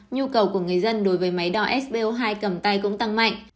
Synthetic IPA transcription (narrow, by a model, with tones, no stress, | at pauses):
ɲu˧kə˨˩wku˧˩əŋɨ˨˩əjzə˧nɗo˨˦jvəː˨˦jma˨˦jɗɔ˧ʔɛ˦˥sɓe˧ʔo˧ɦaː˧jkə˨˩mt̪a˧jkʊ̰˧˥ŋ͡mt̪a˧ŋma̰˧˨jŋ